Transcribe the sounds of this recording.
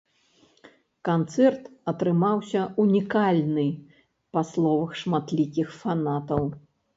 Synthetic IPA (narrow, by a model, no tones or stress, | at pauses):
kant̪sɛrt̪ɐt̪ɾɨmawsʲɐunʲikalʲnɨ | paslˠɔvɐxʂmat̪lʲikʲixfanat̪ɐw